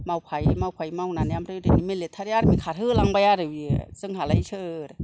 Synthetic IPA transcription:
mawpʰajmawpʰajmawnaniamɾajudinimelet̪ʰːaɾaɾmikʰaːt̚hɯːlaŋbajaɾɯwisɯŋhaːlajt͡ʃʰɯːɾ

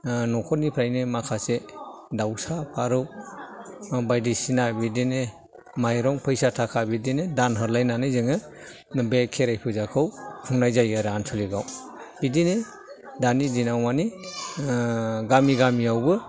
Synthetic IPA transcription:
nɔkʰɔtnipʰɾajnɯmakʰase | dawsapʰaɾɯw | bajdisinabidine | majɾɔŋpʰɯjsatʰakʰabidinedanɦɯɾlajnanɯzɯŋɯ | bekʰːeɾajpʰɯzakʰɯwhʰɯŋnajzajaɾansʰɔliɡaw | bidine | danidinawmani | ɡamiɡamiawbɯ

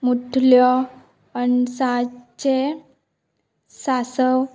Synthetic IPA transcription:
muʈʰljɔ | anisat͡ɕe | sasəw

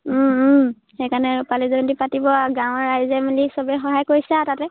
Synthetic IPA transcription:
xekanɛɹupalizontipatibɔɡãw̃ɔɹːajzɛmilisɔbɛxɔɦajkoɹisɛtatɛ

